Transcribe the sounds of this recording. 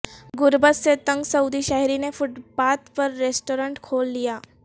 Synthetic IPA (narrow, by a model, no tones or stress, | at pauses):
ɡʊɾbət̪set̪ə̃ŋɡsɐwd̪iʃaːɦɾinefʊʈbaːt̪pɐɾːeːsʈoːɾə̃ɳʈkʰoːlːijaː